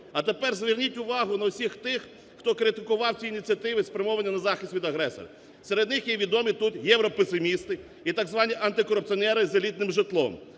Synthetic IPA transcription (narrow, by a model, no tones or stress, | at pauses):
ɐt̪epɛrzʋʲɪrnʲitʲʊʋɑɦʊnɐʊsʲixt̪ɪxː | t̪ɔkɾɪt̪ɪkʊʋɑwt͡sʲiːnʲit̪ʲt͡sʲɐt̪ɪʋɪspɾʲɪmɔʋɐnʲːɐnɐzɑxʲɪsʲtʲʋʲid̪ɐɦɾɛsɔ̰rɐ̰ | seɾed̪nɪxjɛʋʲid̪ɔmʲit̪ut̪jɛwɾɔpesɪmʲist̪ɪ | it̪ɑɡzʋɑnʲiʔɐnt̪ɪkɔɾʊp̚t͡ssiɔnɛɾɪzɐlʲit̪̚nɪmʒɪt̪lˠɔ̰m